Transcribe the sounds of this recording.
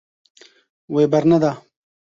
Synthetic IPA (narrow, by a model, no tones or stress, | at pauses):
webɐɾnad̪aː